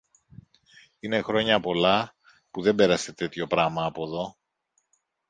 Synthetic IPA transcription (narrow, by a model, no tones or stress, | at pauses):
ine̞xɾo̞ɲɐpo̞lɐ | puðe̞mbe̞ɾɐse̞t̪e̞t̪ço̞pɾɐmɐːpo̞ðo̞